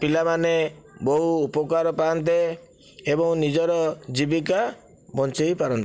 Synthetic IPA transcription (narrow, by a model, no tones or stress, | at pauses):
pilamanebɔɦuːpɔkaɾɔpaːnt̪̬e | ebɔŋnid͡ʒɔɾɔd͡ʒibika | bɔnt͡ʃejpaɾɔnt̪